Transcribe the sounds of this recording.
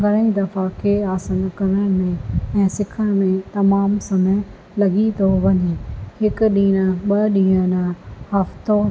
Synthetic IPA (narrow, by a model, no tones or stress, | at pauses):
ɡʱɐɾə̃ĩd̪ɐfakʰeaːsənkɐɾəɽ̃mẽɛ̃ːsɪkʰəɽ̃mẽt̪ɐmaːmsɐme | lɐɡit̪ʰoʋɐɲehɪkʊɗĩːñəɓɐɗĩːə̃nəhɐft̪o